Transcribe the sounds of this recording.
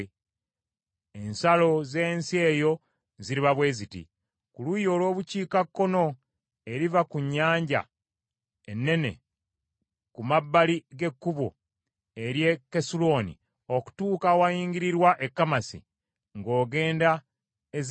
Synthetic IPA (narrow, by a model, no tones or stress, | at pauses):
ensalo̞ze̞ːnsie̞ːjo̞ | ziɾiβaβwe̞ːzitḭ | kulujo̞ːlwo̞ːβuciːkakːo̞no̞ | e̞ɾivakuɲːaːɲɟa̰ | enːe̞ne̞̰ | kumabːaliɡe̞kːuβo̰ | e̞ɾje̞kːesulo̞ːnḭ | o̞ku̥tuːkawajiːŋɡiɾiɾwaʔe̞kːamasḭ | ŋɡo̞ːɡe̞ːnda | ez